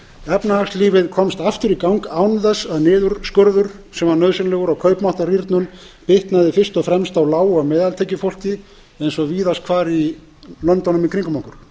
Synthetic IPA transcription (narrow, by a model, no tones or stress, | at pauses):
ɛpnahaksliːvɪðkʰɔmst̪aft̪ʏɾikawŋkaːwnðɛsːaðnɪːðʏɾskœɾðʏɾ̥sɛmvaɾnœːðsɪnlɛɣʏɾawkʰœɥpmawht̪ariɾt̪nʏn | pɪht̪naðɪfɪr̥st̪ɔɣfɾɛmst̪awlaːwamɛːðalt̪ʰɛjcɪfowl̥cɪ | ejnsɔviːðast̪kʰvaːɾi | lœnt̪ɔnʏmikʰɾiŋkʏmawkʏɾ̥